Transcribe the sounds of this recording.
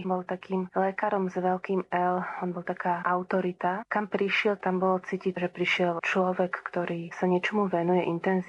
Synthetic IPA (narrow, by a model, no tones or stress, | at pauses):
bɔlt̪akiːmlɛkaɾɔmzʋɛlkiːmɛlɔnbɔlˠt̪akaːʔaʊt̪ɔɾit̪akampɾiʃɪɛlt̪ambɔlɔt͡siːciʒɛpɾiʃɪɛlt͡ʃlɔʋɛkːt̪ɔɾiːsaɲɪɛt͡ʃɔmuʋɛnujɛʔint̪ɛnz